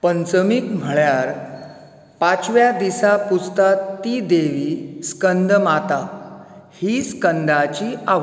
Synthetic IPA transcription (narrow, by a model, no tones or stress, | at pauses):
pənt͡səmikm̤əɭjaɾ | pat͡sʋjad̪isaput͡st̪at̪ːid̪eʋiːskənd̪ʱmat̪a | hiskənd̪ʱat͡ɕiaʋ